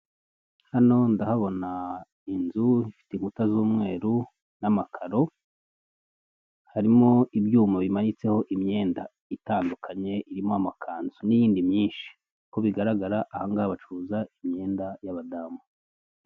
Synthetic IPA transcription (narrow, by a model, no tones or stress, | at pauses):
hano̞ndahaβo̞na | inzuifi̥teimutazuːmŋe̞ːɾu | namakʰaɾo̞ | haɾimo̞ibjuːmaβimaɲit͡se̞ho̞ʔimɲe̞ːnda | itaːndukʰaɲe̞ʔiɾimoamakʰaːnzunijiːndimɲiːnʃi̥ | ko̞βiɡaɾaɡaɾaʔahaŋɡaaβat͡ʃuːzaimɲe̞ːndajaβadamu